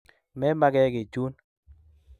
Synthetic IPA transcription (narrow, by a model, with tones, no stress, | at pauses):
mɛ˦ma˦ɡɛ˦ɡɪ˨t͡ʃu˦n